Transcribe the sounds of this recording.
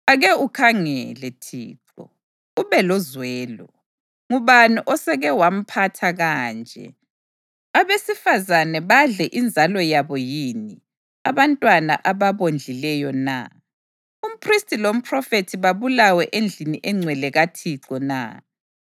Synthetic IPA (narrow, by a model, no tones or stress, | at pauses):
aɣɛukʰaŋɛlɛtʰḭːǁɔ̰ | uβɛlɔzwɛːlɔ | ŋuβanuʔɔsɛɣɛwam̩pʰatʰaɣaːnd͡ʒʱɛ̰ | aβesifazanɛβaɮɛʔind͡zʱalɔjaβɔjini | aβantʼwana̰ʔaβaβond͡ɮʱilɛjɔna̰ | um̩pʰristʰʼilom̩pʰrɔfetʰiβaβulawɛʔend͡ɮʱiniʔɛŋ͡ǀʱwɛlɛɣatʰiǁɔna̰